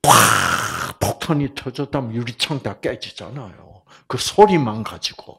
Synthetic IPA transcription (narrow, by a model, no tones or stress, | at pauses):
ka | pʰok̚tʰanitʰʌd͡ʑʌtamjuɾit͡ɕʰaŋtak͈ed͡ʑid͡ʑa̰najo̰ | kɯsʰoɾimankad͡ʑiɡ̥o̰